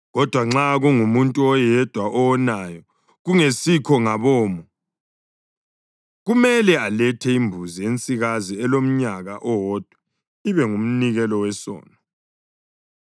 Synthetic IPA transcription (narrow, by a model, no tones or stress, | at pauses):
ɣɔd̥ʱwaŋ͡ǁaɣuŋumuntʼuɔjɛd̥ʱwaʔɔwɔnajɔ | ɣuŋesikʰɔŋaβɔːmɔ | ɣumɛlɛalɛtʰɛimbʱuzijent͡sʼiɣaziɛlom̩ɲaɣa̰ʔɔwɔd̥ʱwɛ | iβɛŋum̩niɣɛlɔwɛsɔ̰ːnɔ